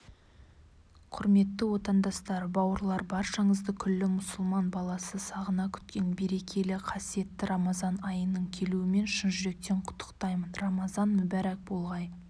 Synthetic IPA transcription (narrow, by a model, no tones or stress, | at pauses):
qʰʊɾme̞t̪ːɪwo̞t̪ɑnd̪ɑst̪ɑɾbɑwəɾlˠɑɾbɑɾʃɑɴəzd̪əkʲʰʏlːɪmʊsʊlˠmɑnbɑlˠɑsəsɑʁənɑkʲʰʏ̥t̪̚kʲe̞nbe̞ɾe̞kʲʰe̞lɪqʰɑsije̞t̪ːɪɾɑmɑzɑnɑjənəɴkʲʰe̞luɪme̞nʃɪnʒʏɾe̞k̚t̪e̞ɴqʰʊ̥t̪ʰːə̥qt̪ɑjmənrɑmɑzɑnmʊbæɾæk̚bo̞lˠʁɑj